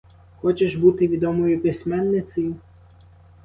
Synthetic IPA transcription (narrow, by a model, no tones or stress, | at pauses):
xɔt͡ʃeʒbut̪ɪʋʲid̪ɔmɔjipʲɪsʲmɛnːɪt̪sɐji